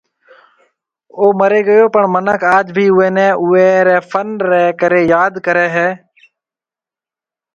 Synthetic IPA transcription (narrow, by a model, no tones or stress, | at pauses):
oːməɾeːɡəjoːpəɳmənəkʰaːd͡ʒbʱiːʊeːnɛ̃ːʔʊeːɾɛːfʰənɾɛːkəɾeːjaːd̪kəɾɛːɦɛː